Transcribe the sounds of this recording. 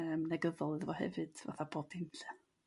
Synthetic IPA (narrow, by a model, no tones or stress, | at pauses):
əːmnɛɡəðɔlˠðvɔhɛ̰vɨd̥va̰θabɔdɪmɬɛ